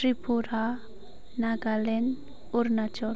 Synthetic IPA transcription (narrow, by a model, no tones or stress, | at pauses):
ɾipuɾa | naɡalen | uɾnat͡ʃɔ